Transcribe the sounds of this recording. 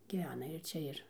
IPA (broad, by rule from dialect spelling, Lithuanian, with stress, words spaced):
ɡʲiːˈʋʲæːnɐ ɪr ˈt͡ʃʲɛ ɪr